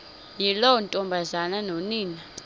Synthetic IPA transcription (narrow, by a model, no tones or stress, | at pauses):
jilɔwɔntʼɔmbʱazananoniːna